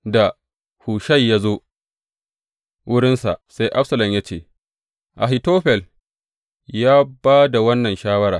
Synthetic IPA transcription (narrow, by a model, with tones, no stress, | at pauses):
da˨ | huː˨ʃɐ˦jːaː˦zoː˦ | wʊ˦ɽɪ˦nsa̰˨sa˦jʔa˦ɸsɐ˨lɐ˨mja˦t͡ʃeː˦˨ | ʔa˨ɦi˨toː˦ɸɛ˨l | jaː˦baː˦da˨wɐ˦nːɐ˨nʃaː˦wɐ˦ɾaː˨